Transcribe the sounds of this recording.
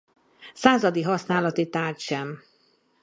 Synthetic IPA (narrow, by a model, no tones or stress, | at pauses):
saːzɒd̪iɦɒsnaːlɒt̪it̪aːrt̪ʃɛm